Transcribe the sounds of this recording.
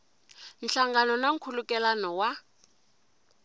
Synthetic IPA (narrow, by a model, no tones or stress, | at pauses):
n̩ɬaŋɡanɔnaŋ̩kʰulukʼɛlanɔwa